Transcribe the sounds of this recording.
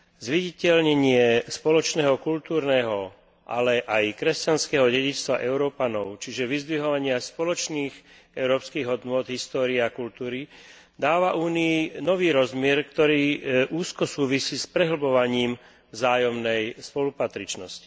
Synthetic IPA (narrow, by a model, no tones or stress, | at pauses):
zʋiɟicɛʎɲɛɲɪɛspɔlɔt͡ʃnɛːɦɔkult̪uːɾnɛːɦɔ | ʔa̰lɛʔajkɾɛscanskɛːɦɔɟɛɟit͡ʃt̪ʋa̰ʔɛʊɾɔːpanɔʊt͡ʃiʒɛʋizd̪ʋiɦɔʋaɲɪaspɔlɔt͡ʃniːx | ɛʊɾɔːpskiːɣɦɔd̪nʊɔd̪ɦist̪ɔːɾiɛakult̪uːɾi | d̪aːʋaʔuːniinɔʋiːɾɔzmɪɛɾkt̪ɔɾiːʔuːskɔsuːʋisiːspɾɛɦl̩bɔʋaɲiːm | vzaːjɔmnɛjspɔlupat̪ɾit͡ʃnɔsci̥